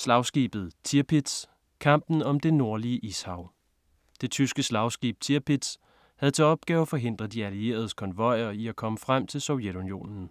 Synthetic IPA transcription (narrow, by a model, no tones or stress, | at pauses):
slɑ̈ʊsɡ̥ḭb̥ð̞̩ˠt͡sʰiɐpʰid̥s | kʰɑ̈m̰b̥n̩ɒ̽md̥e̝no̝ɐ̰liəʔishɑ̈ʊ̰ | d̥e̝t͡sʰysɡ̥əslɑ̈ʊsɡ̥ḭːb̥̚t͡sʰiɐpʰid̥s | hæð̞̩ˠt͡sʰe̝ɒ̽b̥ɡ̥ɛːʊæfɒ̽ɦe̝n̰d̥ʁɐð̩ˠd̥iælie̝̰ːɐð̞ˠəkʰɒ̽nʋɒ̽ɪ̰ɐiækʰɒ̽məfʁam̰t͡sʰe̝lsɒ̽ʊjed̥unijo̝̰ːnn̩